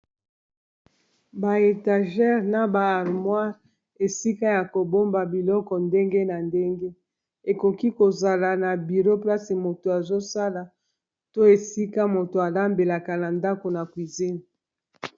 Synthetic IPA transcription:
ba˨e˨ta˨ʒɛ˦ʁna˨baː˨ʁmwa˦ | e˨si˦ka˦ja˨ko˨bo˦mba˨bi˨lɔ˦kɔ˨nde˦ŋɡe˦na˨nde˦ŋɡe˦ | e˨ko˨ki˦ko˨za˨la˨na˨bi˨ʁo˦pla˦si˨mo˨to˨a˨zo˦sa˦la˨ | to˦e˨si˦ka˦mo˨to˨a˨la˦mbe˨la˨ka˨na˨nda˦ko˨na˨kwi˨zi˦n

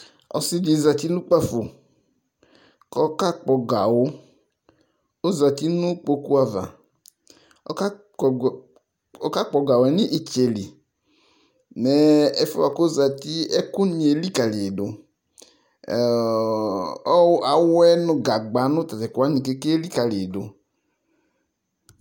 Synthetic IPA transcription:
ɔ˨si˦di˨˦˨za˨t̪i˦nʊ̃˦k͡pa˦fo˨ | kɔ˦ka˦k͡pɔ˨ɡa˨wʊ˦ | o˦za˨ti˦nʊ˦k͡po˧ku˦a˨va̰˨ | ɔ̰˦a˦˨ | ɔ˦ka˦k͡pɔ˨ɡa˨wɛ˨˦ni˦ʔi˦t͡ʃe˨li˨ | nɛ˨ɛ˦fɔ˦a˨ko˦za˨ti˦ɛ˦kʊ˦ni˨e˨˦li˦ka˨lɪ˨dʊ˨˦ | a˨wɛ˦nʊ˦ɡa˨ɡ͡ba˨˦nʊ̃˦t̪a˨tɛ˨kwa˨˦nĩ˨ke˦ke˦li˦ka˨lɪ˨dʊ̰˨

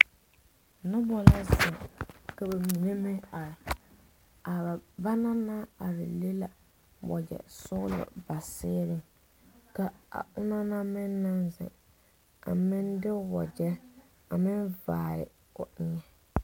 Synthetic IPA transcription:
nʊ˦bɔ˨la˦zɪ˨ka˨ba˨mi˨ne˦me˦a˨ | a˨ba˦na˦na˦a˨ɾɪ̰˨le˦la˨ | wɔ̰˨d͡ʒɛ̰˨sʊ˦lʊ̰˨ba˨sɪː˦ɾɪ˦ŋ | ka˦a̰˨ʊ˦na˦na˦mɪ˦nːa˦nzɪ̰˨ | a̰˨mɪ˦ndɪ˦wɔ˨d͡ʒɛ˦ | a˨mɪ˦nvaː˨ɾɪ̰˨ | ʊ˨ʔɪ˦ɲɛ˨

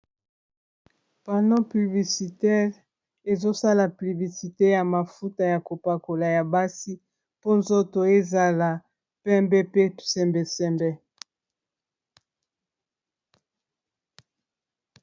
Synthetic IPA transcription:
pa˨ndɔ̃˦py˨bli˨si˨tɛ˦ʁ | e˨zo˦sa˦la˨py˨bli˨si˨te˦ja˨ma˨fu˦ta˨ja˨ko˨pa˨ko˨la˨ja˨ba˦si˦ | po˦nzo˦to˨e˦za˨la˨ | pɛ˦mbɛ˦pe˦sɛ˨mbɛ˨sɛ˨mbɛ˨

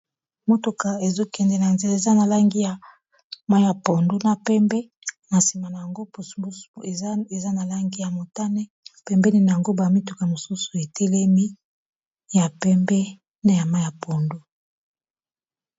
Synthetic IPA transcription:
mo˦to˨ka˨e˨zo˦kɛ˨ndɛ˨na˨nze˨la˦e˨za˦na˨la˦ŋɡi˦ja˨ | ma˦ja˨po˨ndo˦na˨pɛ˦mbɛ˦ | na˨si˨ma˨na˨ja˨ŋɡo˦pu˨sbs | e˨za˦na˨la˦ŋɡi˦ja˨mo˨ta˦nɛ˦ | pɛ˨mbɛ˦ni˦na˨ja˨ŋɡo˦ba˨mi˦tu˨ka˨mo˨su˦su˨e˨tʰe˦le˦mi˦ | ja˨pɛ˦mbɛ˦ | na˦ja˨ma˦jja˨po˨ndo˦

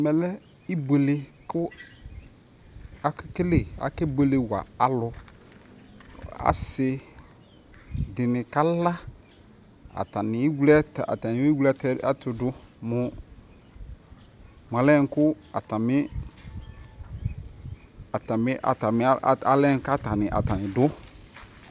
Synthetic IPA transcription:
mɛ˨lɛ˦ | i˦be˨le˨kʊ˦ | a˨kke˦le˦˨a̰˨ke˦bo˨le˨wa̰˨a˨lʊ˨ | a̰˨sɪ˦ | dɪ˨nɪ˨ka˦la˦ | a̰˨ta˨nɪ˨˦wu˦lɛ˦ta̰˨ta˨nɪ˨e˦wu˦lɛ˦ta˦tʊ˨dʊ˦mʊ˨ | m˨a˨lɛ˦˨˦kʊ˦ | a˨ta˨mɪ˦ | a˨ta˨m˦ʔa̰˨ta˨mɪ˨˦˨a˨lɛ˦n˦ka˦ta˨nɪ˨ʔa̰˨ta˨nɪ˨dʊ˦

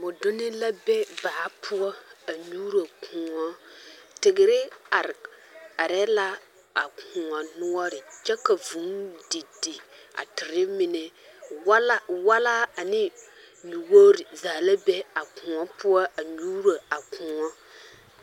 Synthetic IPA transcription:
mʊ˨dʊ˦nɪ˦la˦bɛ˦baː˨˦pʰʊ˦ɔ˦a˨ɲuː˦ɾa˨kʰʊ̃˨ŋɔ˦tɪ˨ɡɪ˨ɾɪ˦a˨ɾa˨ɾɛ˦la˦ | a˨kʊ̃˨ɔ˨nʊ˦ɔ˦ɾɪ˨t͡ʃɛ˦ka˨vu˨˦ŋdɪ˨dɪ˨a̰˨tɪ˨ɾɪ˦mɪ˨nɛ˨wa˦la˦wa˦laː˦a˨nɪ˦ | nu˨wo˦ɾɪ˨zaː˨la˦bɛ˦a˨kʊ̃˨ɔ˦pʊ˦ɔ˦ʔa˨ɲuː˦ɾa˨a˨kʰʊ̃˨ŋɔ˦

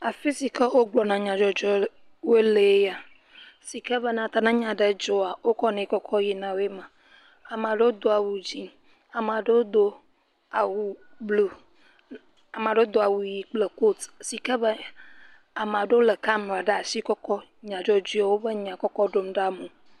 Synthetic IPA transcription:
a˨fi˦si˨kə˦wo˦ɡ͡blɔ˨nã˨ɲã˨d͡ʒɔ˦d͡ʒɔ˦ | we˦le˨˦ja˨ | si˨kə˦bə˦nã˨t̪a˦nã˦ɲã˨ɖə˦d͡ʒɔ˦a˨wo˦kɔ˦nɛ̃˨i˦kɔ˦kʰɔ˦ji˨nã˨wo˦e˦mã˨ | a˨m˨ã˨ɖe˦wo˦d̪o˦a˨wu˨d͡ʑi˨ | a˨m˨a˨ɖə˦wo˦d̪o˦ | a˨wu˨blu˦ | a˨m˨ã˨ɖe˦wo˦d̪o˦a˨wu˨ji˨k͡ple˨ko˦t̪si˨kə˦bə˦ | a˨mã˨ɖe˦o˦lə˨ka˦mũ˨a˨ɖe˦a˨si˦kɔ˦kɔ˦ | ɲã˨d͡ʒɔ˦d͡ʒi˦a˦wo˦bə˦ɲã˨kɔ˦kɔ˦ɖo˦mɖa˦mũ˨

